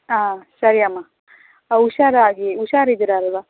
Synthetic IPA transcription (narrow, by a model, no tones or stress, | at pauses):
aːsɐɾiamːa | uʃaːɾaːɡiuʃaːɾid̪ɾeɐlʋa